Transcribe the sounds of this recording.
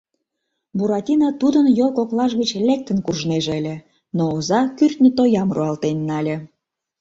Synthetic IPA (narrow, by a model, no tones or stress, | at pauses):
buɾɑt̪ʲinɑt̪ud̪ənjolkoklɑʒɣət͡ɕlʲek̚t̪ənkurʒneʒeəlʲĕ | noːzɑkyrt̪nʲət̪ojɑmruɑlt̪enːɑlʲĕ